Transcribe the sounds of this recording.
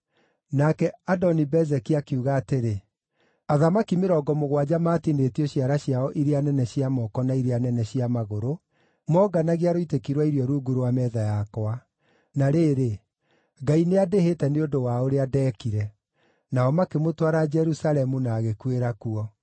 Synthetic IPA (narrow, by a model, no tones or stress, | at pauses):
nakɛadɔnibɛzɛkiakeuɣaːteɾe | aðamakimeɾɔːɡɔmoɣwad͡ʑamaːtinetiɔɕiaɾaɕjaɔʔiɾeanɛnɛɕiamɔkɔnaiɾeanɛnɛɕiamaɣoɾo | mɔːɡanaɣiaɾoitekiɾwaiɾjɔɾuːɡuɾowamɛðajakwa | naɾeːɾe | ɡaineadehetɛneodowaoɾeadɛːkiɾɛ | naɔmakemotwaɾad͡ʒɛɾusalɛmunaːɣekweɾakuɔ